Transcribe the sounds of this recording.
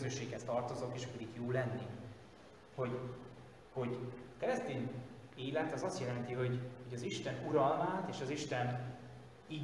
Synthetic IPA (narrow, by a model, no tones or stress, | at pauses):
zøʃːeːkhɛst̪ɒrt̪o̞zo̞keːʃpɛd̪ikjoːlɛnːi | ho̞ɟ | ho̞ɟkɛɾɛst̪eːɲ | eːlɛt̪zɒst̪jɛlɛnt̪iɦo̞ɟhoɟɒziʃt̪ɛnuɾɒlmaːt̪eːʃɒziʃt̪ɛn | iː